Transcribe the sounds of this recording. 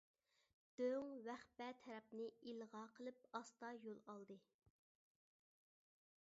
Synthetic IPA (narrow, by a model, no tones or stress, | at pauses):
d̪̥øŋwæχpɛt̪ʰɛɾɛp̚nɨilˠʁɑqʰəlˠɨp̚ɑst̪ɑjolˠɑlˠd̪ɨ